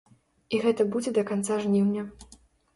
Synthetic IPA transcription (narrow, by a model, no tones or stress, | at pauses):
iɣɛt̪ɐbud͡zʲɛd̪ɐkant̪saʐnʲiwnʲɐ